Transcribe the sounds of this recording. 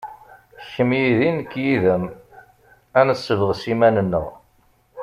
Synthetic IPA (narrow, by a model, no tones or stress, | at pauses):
çəmjiðinəkːjiðəm | ænəsːəvʁsimænənːə̰ʁ